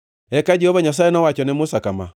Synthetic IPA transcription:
ɛkad͡ʒɛɔβaɲas̬aenɔwat͡ʃɔnemosakama̰

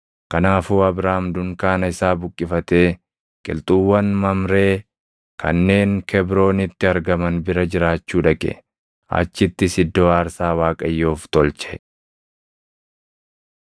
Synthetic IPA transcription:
kɐnaːfuːɐbɾaːmd̪ʊŋkaːnɐɪsaːbʊkʼːɪfɐt̪e̞ː | kʼɪ̰lt̪ʼuwːɐnmɐmɾe̞ː | kʰɐ̰nːe̞ːŋkʰɛbɾo̞ːnɪt̪ːɪɐɾɡɐmɐnbɪɾɐd͡ʒɪɾaːt͡ʃːuːᶑɐkʼɛ̰ | ɐ̰t͡ʃːɪt̪ːɪsɪd̪ːoːaːɾsaːwaːkʼɐjːoːft̪ɔlt͡ʃɛ̥

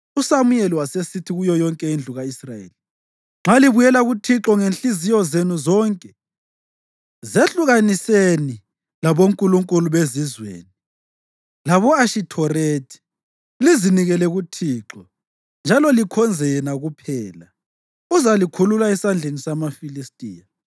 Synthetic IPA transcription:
usamujɛliwasesitʰiɣujɔjɔŋkʼɛind͡ɮʱuɣaisrajḛːli | ŋ͡ǁʱaliβujɛlaɣutʰiǁɔŋenɬizijɔzenuzɔːŋkʼɛ | zeɬuɣaniseni | laβoŋkʼuluŋkʼuluβezizwḛːni | laβɔaʃitʰɔretʰi̥ | liziniɣɛlɛɣutʰiːǁɔ | nd͡ʒʱalɔlikʰɔnd͡zʱɛjɛnaɣupʰɛːla | uzalikʰululaɛsand͡ɮʱenisamafilistʼiːja

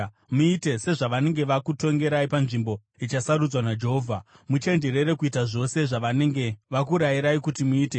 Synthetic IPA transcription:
muite̞se̞ʐaʋane̞ŋɡe̞ʋakuto̞ŋɡe̞ɾaipanʐimbo̞ | it͡ʃasaɾud͡zwanad͡ʒe̞ɦoːvʱa | mut͡ʃe̞nd͡ʒe̞ɾe̞ɾe̞kuitaʐo̞se̞ʐaʋane̞ŋɡe̞ʋakuɾaiɾaikutimuiːte

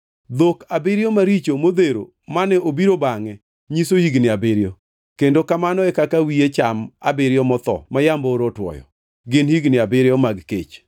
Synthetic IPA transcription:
d̪okabɪɾjɔmaɾit͡ʃomod̪eɾo̰ | manɛobiɾobaŋɛ | ɲisohiɡnɪabɪɾjɔ | kendokamanɔɛkakawiet͡ʃama̰bɪɾɪjɔmɔt̪ɔ̰majambɔɾɔtwɔ̰jɔ̰ | ɡɪnhiɡnɪabɪɾjɔmaɡkḛt͡ʃ

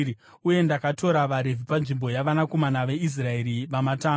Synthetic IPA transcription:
uje̞ndakato̞ɾaʋaɾe̞vʱipanʐimbo̞jaʋanako̞manaʋe̞is̬rae̞ɾiʋamataː

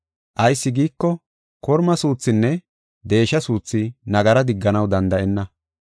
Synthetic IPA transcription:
ʔɐjsːɪɡiːkːɔ | kɔɾmɐsuːt͡sːɪnːɛ | d̪e̞ːʃɐsuːt͡sːɪnɐɡɐɾɐd̪ɪɡːɐnɐwd̪ɐnd̪ɐʔɛnːɐ

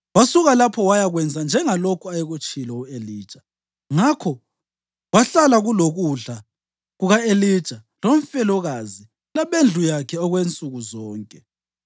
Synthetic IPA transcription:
wasuɣalapʰɔwajaɣwɛnd͡zʱand͡ʒʱɛŋalokʰuajɛɣut͡ʃʼilɔueliːd̥ʒ̥ʼʱa | ŋakʰɔ | waɬalaɣuloɣuɮa | ɣuɣaelid̥ʒ̥ʼʱa | loɱfɛlɔɣazi | laβend͡ɮʱujakʰɛɔɣwent͡sʼuɣuzɔːŋkʼɛ

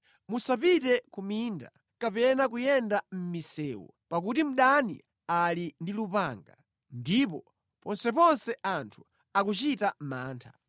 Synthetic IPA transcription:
musapitɛkuminda̰ | kapɛnakujɛndam̩misɛːwɔ̰pakutim̩ɗanḭ | alindilupaŋɡa̰ | ndipɔ | pɔnsɛpɔnsɛʔantʰu̥ | ak̬ut͡ʃitam̩maːntʰḁ

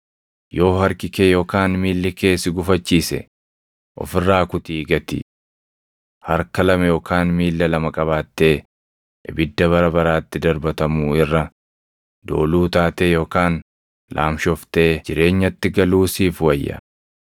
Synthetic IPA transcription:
jo̞ːhɐɾkɪkeːjo̞ːkaːnmiːlːɪke̞ːsɪɡʊfɐt͡ʃːiːsɛ̰ | ʔɔ̰fɪrːaːkʊt̪iːɡɐt̪ɪ̰ | hɐɾkɐlɐmɐjo̞ːkaːnmiːlːɐlɐmɐkʼɐβaːt̪ːe̞ː | ʔɪbɪd̪ːɐβɐɾɐbɐɾaːt̪ːɪd̪ɐɾbɐt̪ɐmuːɪrːɐ | d̪o̞ːluːt̪aːt̪eːjoːkaːn | lʔa̰ːmʃɔft̪eːd͡ʒɪɾe̞ːɲːɐt̪ːɪɡɐluːsiːfwɐjːɐ̰

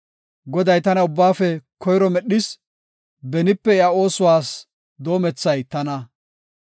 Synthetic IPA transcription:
ɡɔd̪ɐjt̪ɐnɐʊbːaːfɛkʰɔjɾɔmɛɗɪs | bɛnɪpːɛɪao̞ːsʊwaːs | d̪o̞ːmɛt͡sːɐjt̪ɐnɐ

